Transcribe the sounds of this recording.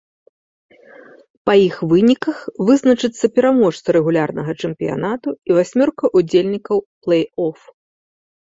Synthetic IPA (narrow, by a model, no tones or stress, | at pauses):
pɐjixvɨnʲikɐxvɨznɐt͡ʂɨt̪sːɐpʲɛɾamɔʂt̪sɐɾɛɣulʲarnɐɣɐt͡ʂɛmpʲija̰nat̪uivasʲmʲɔrkɐʔud͡zʲelʲnʲikɐwplˠɛjɔf